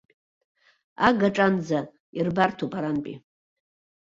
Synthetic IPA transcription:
aɡaʈ͡ʂʼand͡za | irbartʰopʼaɾanpʼḭ

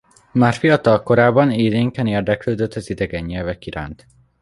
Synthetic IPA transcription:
maːrfijɒt̪ɒlko̞ɾaːbːɒneːd̪eːŋkɛneːrd̪ɛkløːd̪øt̪ʰːɒzid̪ɛɡɛɲːɛlvɛkiɾa̰ːnt̪

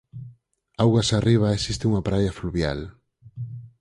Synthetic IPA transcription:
awɣasariβ̞aesist̪euŋapɾajafluβja̰l

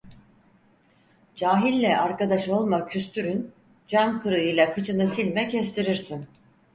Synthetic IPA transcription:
d͡ʒaːɦilʲːɛʔaɾkad̪aʃo̞lˠmacʰyst̪ʰyɾyn | d͡ʒamkʰɯɾɯjɯlˠakʰɯt͡ʃʰɯnɯsilʲmɛcʰɛst̪ʰiɾiɾsin

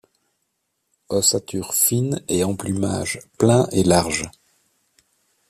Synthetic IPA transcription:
ɔsat̪yʁfineɑ̃plyma̰ʒplɛ̃ʔelaʁʒ

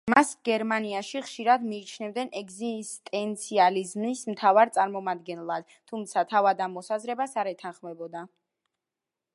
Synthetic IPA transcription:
masɡɛɾmaniaʃiχʃiɾad̪miːt͡ʃʰnɛvd̪ɛnʔɛɡzist̪ʼɛnt̪sʰializmnismt̪ʰavaɾt̪sʼaɾmɔmad̪̚ɡɛnlˠad̪̥̚ | t̪ʰumt̪sʰat̪ʰavad̪amɔsazɾɛbasaɾɛt̪ʰanχmɛbɔd̪a

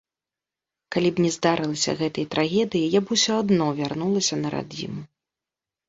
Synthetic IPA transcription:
kalʲipnʲɛzd̪aɾʔɨlˠɐsʲɐ̰ɣɛt̪ɐjt̪ɾʔaɣʲɛd̪ɨjijabusʲɔad̪nɔvʲarnulˠɐsʲɐnɐɾa̰d͡zʲḭmu

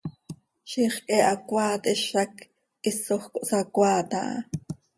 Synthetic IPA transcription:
ʃiχkʼɛʔakʷaːt̪ɛʃɑk | ʔisoχkoʔsakʷaːt̪a̰ʔ

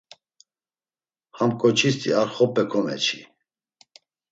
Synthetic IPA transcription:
hamkʼɔt͡ʃʰist̪ʰʼiaɾχɔpʰʼɛkʰɔmɛ̰t͡ʃʰi

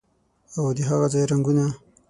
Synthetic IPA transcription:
awd̪iɦaɣazajɾaŋɡuna

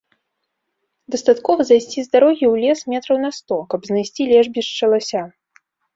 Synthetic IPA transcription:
d̪ɐst̪at̪kɔvɐzajsʲt͡sʲizd̪aɾɔɣʲiwlʲɛsmʲɛt̪ɾɐwnɐst̪ɔkɐbznajsʲt͡sʲilʲɛʐbʲiʂt͡ʂɐlˠasʲa

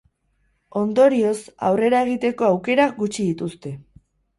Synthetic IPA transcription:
o̞nd̪o̞ɾio̞sa̰wre̞ɾae̞ɣ̞it̪e̞ko̞awke̞ɾaɣut͡ʃiðit̪ust̪e̞

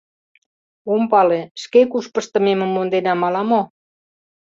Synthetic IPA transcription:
ompɑleʃkekuʃpə̆ʃt̪ə̆memə̆mːond̪enɑmɑlɑmo

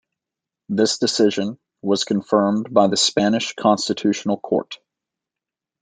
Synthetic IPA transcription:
ðɪsd̥ɨsɪʒɨ̃n | wʌz̥kʰɨ̃ɱfɜ̃˞mbaɪðɨspænɨʃkʰɑ̃nstɨtʰʉʃn̩l̩ˠkʰɔ̰ɹt

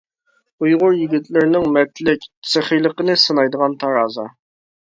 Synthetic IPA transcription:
ujʁʊɾjiɡʲit̪lɪɾnɪŋmɛt̪lɪkʲsɪχijlˠəqənɨsɨnɑjd̪əʁɑnt̪ʰɑɾɑːzɑ

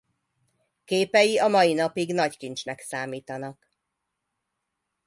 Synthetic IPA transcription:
keːpɛjiɒmɒjinɒpiɡnɒckint͡ʃnɛksaːmiːt̪ɒnɒk

